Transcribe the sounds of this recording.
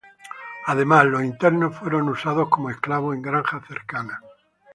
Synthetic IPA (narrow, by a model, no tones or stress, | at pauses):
að̞emaslosint̪eɾnofweɾonusað̞oskomoesklaβ̞oẽŋɡɾaŋxaθeɾkana